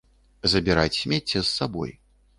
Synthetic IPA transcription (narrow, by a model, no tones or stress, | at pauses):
zɐbʲiɾat͡sʲsʲmʲet͡sʲːɛsːabɔ̰j